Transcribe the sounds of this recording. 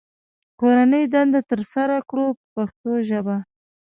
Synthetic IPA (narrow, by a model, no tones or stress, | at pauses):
koɾanəjd̪and̪at̪əɾsaɾakɽopəpaxt̪oʒəba